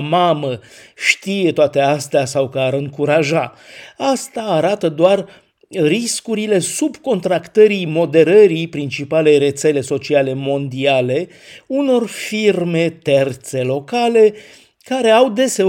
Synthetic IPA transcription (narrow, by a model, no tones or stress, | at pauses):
maməʃt̪ije̞t̪oat̪e̞ast̪easawkəaɾɨŋkuɾaʒaast̪aːɾat̪əd̪oar | riskuɾile̞subko̞nt̪ɾakt̪əɾimo̞d̪e̞ɾəɾipɾint͡ʃipalejre̞t̪se̞le̞so̞t͡ʃiale̞mo̞nd̪iale̞ | uno̞rfirme̞t̪e̞rt̪se̞lo̞kale̞ | kaɾe̞awd̪e̞se̞